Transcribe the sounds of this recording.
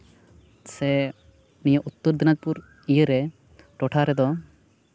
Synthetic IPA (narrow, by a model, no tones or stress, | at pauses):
sɛ | nijəʔut̪ːəɾd̪inad͡ʒ̚puɾ | ijəɾɛ | ʈɔʈʰaɾɛd̪ɔ